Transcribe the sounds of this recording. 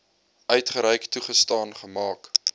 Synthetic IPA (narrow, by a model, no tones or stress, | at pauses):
ʔœɥtχəɾɛjktuχəstɑːnχəmɑːk